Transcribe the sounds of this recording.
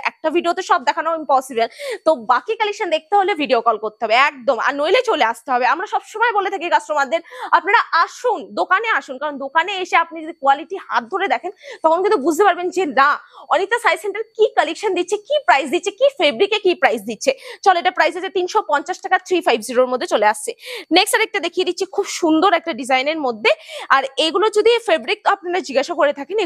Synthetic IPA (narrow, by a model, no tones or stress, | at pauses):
ɛ̰k̚ʈavʱiɖiot̪eʃɔb̚d̪ɛkʰanoimpɔsibelt̪obakikəlekʃand̪ek̚ʰt̪eɦolevʱiɖiokɔlkoɾt̪e̥ɦɔbeɛk̚d̪oma̰nojlet͡ɕoleaʃt̪eɦɔbeamɾaʃɔbʃomɔebolet̪ʰakikasʈɾomad̪ːeɾapnaɾaʔaʃund̪okaneaʃunkaɾond̪okaneeʃeap̚nid͡ʑod̪ikoaliʈiha̰t̪̚d̪ʱoɾed̪ɛkʰent̪ɔkʰonkint̪ubud͡ʑʱt̪epaɾbend͡ʑenaɔnit̪ːasajseɳʈaɾkikəlekʃand̪itːʰekipɾajsd̪itːt͡ɕʰekifebɾikekipɾajsd̪itːɕʰet͡ɕɔloeʈapɾajzad͡ʑʰat̪inʃopɔnt͡ɕaʃʈakat̪ʰɾifajbziɾoɾmod̪ʱːet͡ɕoleaʃt͡ɕʰeneksʈaɾɛk̚ʈad̪ekʰijed̪itːɕʰekʰubʃund̪oɾɛk̚ʈaɖizajneɾmod̪ʱːeaɾeɡulod͡ʑod̪ʱifebɾik̚t̪apnaɾad͡ʑiɡaʃakoɾet̪ʰakene